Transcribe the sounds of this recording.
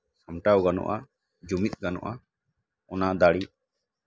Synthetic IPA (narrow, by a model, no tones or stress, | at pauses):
amʈawɡanɔ̰ʔa | d͡ʒumit̪̚ˀɡanɔ̰ʔa | ɔnad̪aɽi